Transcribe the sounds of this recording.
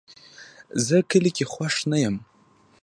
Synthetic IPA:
zɨkʰɨlʲikʲʼiχʷaʂnɨjam

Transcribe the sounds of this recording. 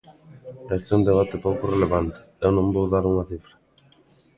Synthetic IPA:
ɛst̪eund̪eβ̞at̪ɪpowkʊreleβ̞ant̪ɪ̥ewnõmbowðaɾuŋɐθifɾɐ

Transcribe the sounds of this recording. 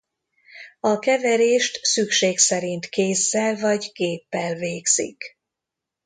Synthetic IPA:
ɒkɛvɛɾeːʃt̪sykʃeːksɛɾint̪keːsːɛlvɒɟkeːpːɛlveːɡz̥ḭk

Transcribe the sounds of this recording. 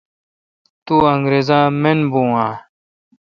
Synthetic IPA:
t̪uːɐŋɡɾeːzãːmenbũːãː

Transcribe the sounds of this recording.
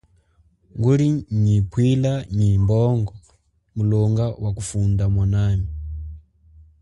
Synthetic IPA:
ŋɡuɾiɲipʰwilaɲimbɔŋɡɔ | mulɔŋɡawakufundamwanami

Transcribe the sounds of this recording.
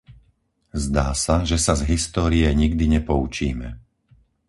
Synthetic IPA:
zd̪aːsaʒɛsazɦist̪ɔːɾijɛɲiɡd̪iɲɛpɔut͡ʃiːmɛ

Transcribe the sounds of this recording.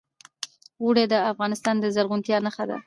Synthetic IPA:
wuɽed̪əafɣɑnɪst̪ɑnd̪əzaɾɣunt̪jɑnaxad̪a̰

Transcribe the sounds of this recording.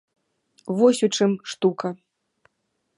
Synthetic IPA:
vɔsʲut͡ʂɨmʂt̪ukɐ

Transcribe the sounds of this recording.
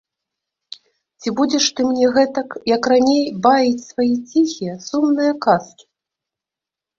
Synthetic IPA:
t͡sʲibud͡zʲɛʂt̪ɨmnʲɛɣɛt̪ɐkjɐkranʲejbavʲit͡sʲsvajit͡sʲixʲijɛsumnɨjɐkaskʲi̥

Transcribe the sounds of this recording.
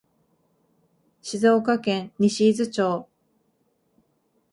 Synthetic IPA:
ɕizo̞ːkakẽnɲʲiɕiːzɨt͡ɕoː

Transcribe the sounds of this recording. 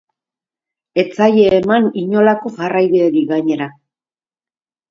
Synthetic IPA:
e̞t͡sajeːmaniɲo̞lako̞farajβeeɾiɣaɲe̞ɾa

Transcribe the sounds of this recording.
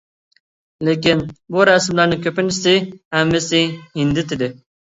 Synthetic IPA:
lekʲinbuɾɑsmlæɾnɪkʲʰøpɪnɪsɪhɛmːɪsɪhɪnd̪ɪt̪ɪd̪ɪ

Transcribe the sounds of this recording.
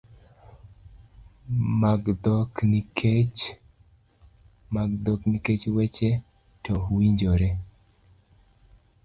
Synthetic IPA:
maɡd̪ɔknikʰet͡ʃ | maɡd̪ɔkniket͡ʃwɛt͡ʃe | tɔwiɲd͡ʒoɾe

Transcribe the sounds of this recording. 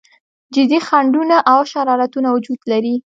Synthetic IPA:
d͡ʒɪd̪ixaɳɖunaʔawʃaɾɑɾat̪unawʊd͡ʒud̪laɾi

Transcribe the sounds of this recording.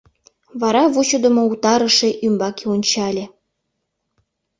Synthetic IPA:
βɑɾɑβut͡ɕod̪əmout̪ɑɾəʃeʔymbɑkeonʲt͡ɕɑlʲĕ

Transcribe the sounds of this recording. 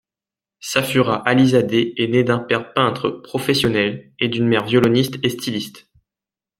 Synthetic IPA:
safyʁaʔalizad̪eːned̪ɛ̃pɛʁpɛ̃t̪χəpχɔfɛsjɔnɛled̪ynmɛʁvjɔlɔnist̪est̪ʰilist̪

